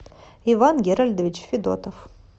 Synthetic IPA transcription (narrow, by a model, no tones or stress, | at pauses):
ivanɡʲeɾalʲd̪evʲit͡ʃfid̪o̰t̪ʰof